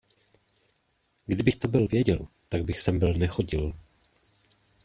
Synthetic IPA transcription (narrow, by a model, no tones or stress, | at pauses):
ɡdɪbɪxt̪o̞bɪlvjɛɟɛ̰l | t̪aɡ̚bɪxsɛmbɪlnɛxo̞ɟɪl